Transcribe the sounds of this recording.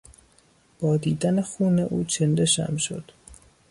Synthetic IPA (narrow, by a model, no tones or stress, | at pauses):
b̥ɒːd̪iːd̪ænexuːneʔuːt͡ʃʰend̪eʃæ̰mʃo̞̰d̪̥